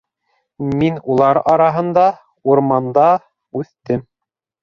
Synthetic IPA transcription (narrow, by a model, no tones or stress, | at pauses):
minulˠɑɾɑɾɑɦɤ̆nd̪ɑ | uɾmɑnd̪ɑ | ʉθt̪ɘm